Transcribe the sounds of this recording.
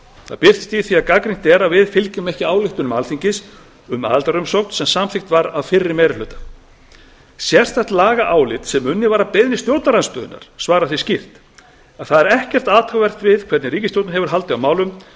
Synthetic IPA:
θa̰ðpɪɾ̥t̪ɪ̥st̪iθiakakɾiŋ̥t̪ɛɾaðvɪðfɪlcʏmehcɪaːwlɪht̪ʏnʏmalθiɲcɪs | ʏma̰ːðlt̪aɾʏmsowkn̥sɛmsamfɪxt̪vaɾaðfɪrːɪmɛːjɾɪlœːt̪ḁ | sjɛr̥t̪θajht̪laːɣaʔaːwlɪt̪sɛmʏnːɪvaːɾapejðnɪst̪jowɾt̪naɾanst̪œːðʏ̰na̰ɾ̥svaːɾaθiscɪr̥t̪ | aθaðɛɾɛhcɛr̥t̪aːt̪ʰawvɛr̥t̪vɪðkʰvɛɾt̪nɪɾiːcɪst̪jowt̪ɪɦɛvʏɾ̥ɦal̪t̪ɪamaːwlʏm

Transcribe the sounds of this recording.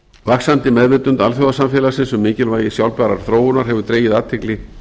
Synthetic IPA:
vaksant̪ɪmɛðvɪt̪ʏnt̪a̰lθjowðasamfjɛːlasɪnsɛmːɪːcɪlvaːjɪsjawlpɛɾaɾ̥θɾoːwʏnaɾɦɛvʏɾt̪ɾeːjɪðaːt̪ʰɪklɪ

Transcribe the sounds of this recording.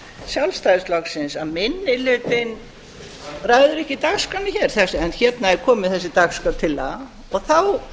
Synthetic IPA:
sjawlst̪ajðɪst̪lɔksɪnsaðmɪnːɪlʏːt̪ɪn | raɣðʏɾɛhcɪt̪akskanɪçɛɾ̥θɛsɛnçɛt̪naɛɾ̥kʰɔːmɪðθɛsːɪt̪akskat̪ʰɪla̰ | ɔɣθaw

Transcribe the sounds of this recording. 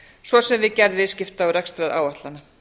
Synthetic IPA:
svɔsɛmvɪðcɛɾðvɪðscɪft̪aːwɾɛkst̪ɾaða̰ːwaht̪lana

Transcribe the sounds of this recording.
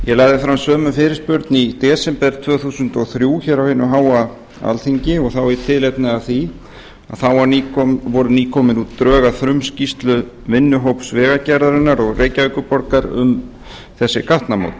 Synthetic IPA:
jɛlajɣðɪfɾamsœːmʏfɪːɾɪɾspʏɾt̪nit̪ɛːsɛmpɛɾt̪ʰvœːθusʏnt̪ɔɣθɾjuːçɛːɾawhɪnːʏɦaːwa | a̰lθiɲcɪɔɣθawɪt̪ʰɪðlejt̪nɪaðθi | aðθawavɔɾʏniːkʰɔːmɪnut̪t̪ːɾœːɣaθɾʏmscist̪lʏ | vɪnːʏɦowpsvɛːɣacaɾðaɾɪnːaɾɔɣrʔeːjcaœɥkʏpɔɾkaɾʏ̰m | θɛsːɪkʰaht̪namo̰wt̪

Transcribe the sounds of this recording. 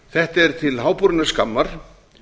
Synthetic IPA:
θɛht̪ɛɾ̥t̪ʰɪlhaːwpuɾnaskamːaɾ̥

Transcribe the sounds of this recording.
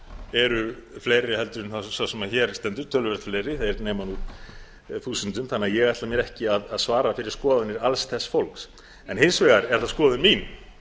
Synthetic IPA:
ɛɾʏfleːjɾɪhɛlt̪ʏɾɪnθasawsɛmaðçɛːɾst̪ɛnt̪ʏɾt̪ʰœlvɛɾ̥t̪flejɾɪθeɾnɛːmanu | θuːsʏnt̪ʏmθanːaðjɛɣajht̪lamjɛɾɛhcɪaðaðsvaːɾafɪɾɪɾ̥skɔːðʏnɪɾalsθɛsːfowlks | ɛnhensvɛːɣaɾɛɾ̥θaðskɔːðʏnmin

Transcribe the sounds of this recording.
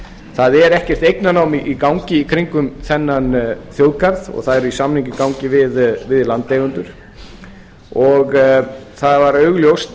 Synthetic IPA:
θaðɛɾɛhcɛr̥t̪ejknanaːwmiʔikawɲcɪikʰɾiŋkʏmθɛnːanθjowðkaɾðɔ̰ɣθaðɛɾʏisamniŋɲcɪkawŋcɪvɪðvɪðlant̪ejɣʏnt̪ʏɾ̥ | ɔɣθaðvaɾœɥɣljowst̪

